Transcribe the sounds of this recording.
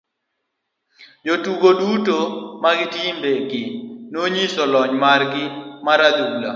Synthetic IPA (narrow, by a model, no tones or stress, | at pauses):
jotuɡodutomaɡɪtimbeɡɪnoɲisɔlɔɲmarɡɪmaɾad̪oula̰